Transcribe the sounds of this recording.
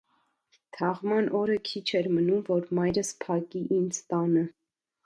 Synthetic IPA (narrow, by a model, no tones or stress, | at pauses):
t̪ʰɑʁmɑnʔɔɾəkʰit͡ʃʰɛɾmənumvɔɾmɑjɾəspʰɑkiʔind͡zt̪ɑnə